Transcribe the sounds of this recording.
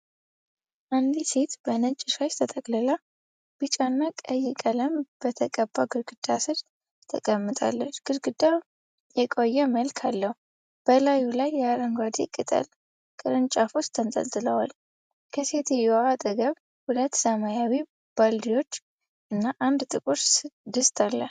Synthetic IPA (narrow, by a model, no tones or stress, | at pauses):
ʔand̪iset̪bənət͡ʃʼːɪʃaʃt̪ʰət̪ʼəkʼlɨla | b̥ɨt͡ʃʼanːakʼəjːɛkʼələmb̥ət̪ʰəkʼəbːaɡɨɾɡɨd̪asɨd | t̪ʰəkʼəmːɨt̪ʼa̰lːət͡ʃːɡ̥ɨɾɡɨd̪a | jɛkʼo̞jːɛməlkʰalːəhu | b̥əlajulajːɛaɾəŋɡʷad̪ikʼɨt̪ʼə̰l | kʼɨɾɨnt͡ʃʼafost̪ʰːənt̪ʼə̰nt̪ʼɨləwal | kʰəse̞t̪ʰɛjoat̪ʼɨɡəβ | hulət̪ːsəmajawi | b̥ald̪iwo̞t͡ʃː | ʔɨnːaʔand̪t̪ʼɨkʼuɾsɨd̪ɨst̪ʰalːə